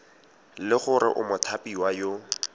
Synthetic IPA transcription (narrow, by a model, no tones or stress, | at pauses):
lɪχʊɾɪ̰ʔʊmʊtʰapiwajo